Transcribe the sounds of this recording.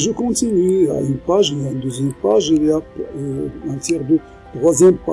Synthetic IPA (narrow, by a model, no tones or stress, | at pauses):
ʒəkɔ̃t̪inya̰ynpaʒelaynd̪əzjɛmpaʒelia | ɛ̃t̪jɛʁd̪ə | t̪χwazjɛmpa